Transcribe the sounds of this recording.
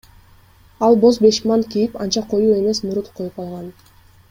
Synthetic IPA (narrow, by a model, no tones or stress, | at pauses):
ɑlˠbo̞zbe̞ʃmɑnkijipɑnt͡ʃɑqʰo̞juːe̞me̞smuɾut̪qʰo̞jupɑlˠʁɑn